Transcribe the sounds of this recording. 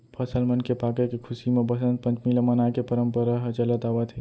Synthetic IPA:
pʰəsəlmənkepakekekʰusimebəsə̃nt̪̚pə̃nt͡ʃmilemənakepəɾəmpəɾaɦt͡ʃələt̪abət̪ʰi

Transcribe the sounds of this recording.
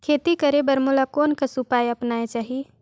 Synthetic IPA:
kʰeːt̪ikɐɾebɐɾmolakɔːnkasupaːjɐpnaːet͡ʃaːɦie

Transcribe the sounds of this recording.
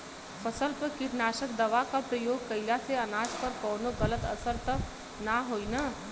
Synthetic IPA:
fʰɐsəlpɐkɪɾnaːʃəkd̪ɐʋakapɾəjoːɡ̚kɐɪlaseɐnaːd͡ʒpɐɾkɔːnoɡɐlət̪ɐ̰səɾt̪ɐk | naɦoːinaː

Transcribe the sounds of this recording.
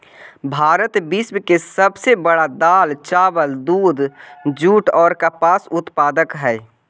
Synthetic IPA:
bʱaːɾət̪bɪsmkesəbsebəɽad̪aːlt͡ʃaːbəld̪uːd̪d͡ʒuːʈɔːɾkapaːsʊt̪paːd̪əkɦɛː

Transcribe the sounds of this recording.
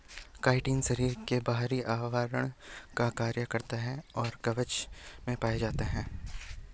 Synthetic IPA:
kaːɪʈiːnʃɐɾiːɾkebaɦɾiʔaːʋaːɾəɽ̃kakaːɾjəkɐɾt̪aɦɛ̃ɔːɾkɐʋət͡ʃmẽpaːed͡ʒaːt̪eɦɛ̃ː

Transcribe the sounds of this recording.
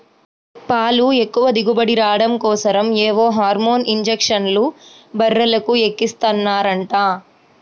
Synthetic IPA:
paːlue̞kːuʋɐd̪iɡubɐɽiɾaːɽɐmkɔːsɐɾɐmɛːʋoːɦaːɾmoːniɲd͡ʒekʂɐnlu | bɐɾːɐlɐkuekːist̪ɐnːaːɾɐɳʈaː

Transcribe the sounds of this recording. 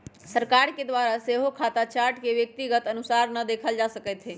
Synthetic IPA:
səɾkaɾked̪waɾaseɦokʰat̪at͡ʃaɾʈkeʋjək̚t̪iɡət̪ənusaɾnəd̪ekʰəld͡ʒasəkɛjt̪ɦe

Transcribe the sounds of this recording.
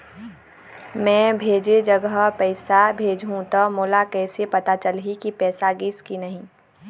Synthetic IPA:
mɛ̃ːbʱeːd͡ʒed͡ʒəɡəɦpəɪsabʱeːd͡ʒɦũt̪ɔmoːlakɛːsepɐt̪at͡ʃəlɦikipɛːsaɡɪskinɐɦĩ

